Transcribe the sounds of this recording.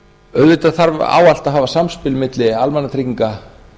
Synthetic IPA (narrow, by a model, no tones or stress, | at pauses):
œɥðvɪt̪aðθaɾv̰a̰ːwal̥t̪aðɦaːvasamspɪlmɪt̪lɪalmɛnːat̪ʰɾikciŋka